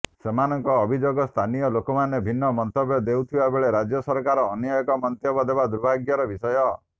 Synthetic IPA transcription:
semanɔŋkɔːbʱid͡ʒoɡɔst̪ʰanijɔlokɔmanebʱinːɔmɔnt̪ɔbjɔd̪ewt̪ʰibabeɭeɾad͡ʒjɔsɔɾkaɾɔːnjɔjɔkɔmɔnt̪jɔbɔd̪ebad̪uɾbʱaɡjɔɾɔbisɔjɔ

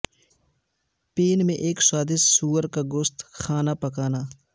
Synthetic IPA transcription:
peːnmẽʔeːkswaːd̪ɪssuːəɾkaɡʊst̪xʰaːnapɐkaːnaː

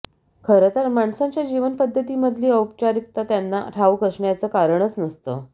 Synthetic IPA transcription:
kʰəɾət̪əɾmaɳsãɲt͡ɕjad͡ʑiʋənpəd̪ʱːət̪iːməd̪ʱliːəwp̚t͡ɕaɾik̚t̪at̪janːa̰ʈʰaʋukəsɳjat͡səːkaɾəɳət͡snəst̪ə̰

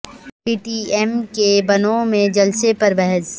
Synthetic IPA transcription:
piːʈiːɛmkebɐnõmẽd͡ʒɐlsepɐɾbɛɦɛs

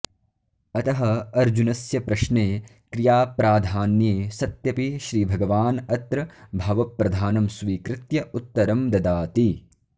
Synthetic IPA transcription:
ɐt̪ɐɦɐɐɾd͡ʒunɐsjɐpɾɐʃneː | kɾijaːpɾaːd̪ʱaːnjeːsɐt̪jɐpiʃɾiːbʱɐɡɐʋaːnɐt̪ɾɐbʱɐʋɐpɾɐd̪ʱaːnɐmsʋiːkɾɪt̪jɐut̪ːɐɾɐmd̪ɐd̪aːt̪i

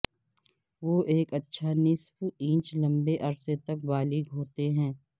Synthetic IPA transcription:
ʋoːʔeːkɐtːʃʰanɪsfĩːt͡ʃlɐ̃mbeʔɐɾset̪ɐk̚baːliɡɦoːt̪eɦɛ̃ː

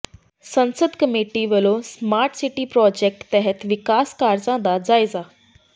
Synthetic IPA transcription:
sənsəd̪ʱkəmeʈiːʋeːlosmaːɾʈsiʈiːpɾɔːd͡ʑek̚ʈt̪ɛɦɛt̪ʋɪkaːskaːɾd͡zãd̪ad͡zaːjd͡za

